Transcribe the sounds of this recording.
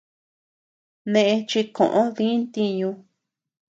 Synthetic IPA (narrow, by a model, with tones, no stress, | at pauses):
nẽ˧ʔẽ˧t͡ʃi˧kõ̰˨ʔõ˦ðĩ˦nt̪i˧ɲũ˧